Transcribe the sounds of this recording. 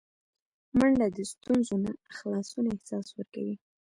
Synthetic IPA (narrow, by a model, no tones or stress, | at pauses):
maɳɖad̪əst̪unzonaxlɑsunaɪhsɑswəɾka̰wi